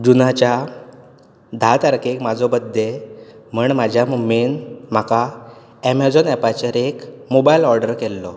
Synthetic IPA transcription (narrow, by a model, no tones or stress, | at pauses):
d͡ʑunat͡ɕja | d̪ʱat̪aɾkekmad͡zʱɔbəd̪ʱːem̤əɳmad͡ʑʱjamuminm̤aka | ɛmad͡zɔnɛpat͡ɕəɾekmobailɔɾɖəɾkɛlːɔ